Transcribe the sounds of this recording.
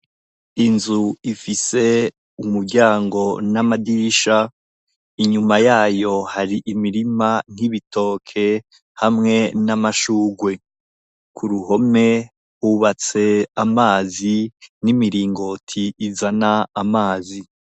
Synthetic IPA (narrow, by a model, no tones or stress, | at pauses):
inzuifise̞ | umuɾɟaːŋɡo̞namadiʃa | iɲumajaːjo̞haɾiʔimiɾiman̥hiβitʰo̞ːkʰe̞ | hamŋe̞namaʃuːɡwe̞ | kʰuɾuɦo̞me̞ | huβat͡se̞amaːzinimiɾiːŋɡo̞tʰiːzanaamaːzi